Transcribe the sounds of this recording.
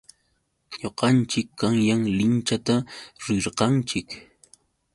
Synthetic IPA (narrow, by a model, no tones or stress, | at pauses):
ɲoqɑnt͡ʃɪkːaŋjaŋlɪnt͡ʃat̪aɾɪɾqɑnt͡ʃɪk